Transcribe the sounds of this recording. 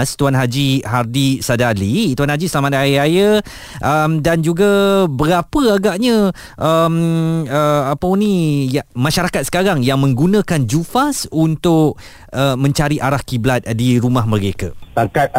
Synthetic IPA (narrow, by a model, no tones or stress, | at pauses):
st̪uanɦad͡ʒiɦardisadalit̪uwanhad͡ʒisəlamat̪̚ajəajə | ʔəmdand͡ʒuɡabəɾapəaɡaʔɲə̃ | ʔəməapəunijamãʃaɾakat̪sə̥kaɾaŋjaŋmə̃ŋɡunə̃kand͡ʒufasunt̪ʊk̚ | əmə̃ɲt͡ʃaɾiʔaɾahkiblat̪̚diɾumãɦmə̃ɾeka̰taŋkat̪̚